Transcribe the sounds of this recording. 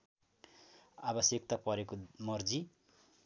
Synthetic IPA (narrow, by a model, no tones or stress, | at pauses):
abʌsjʌk̚t̪apʌɾekomʌrd͡zi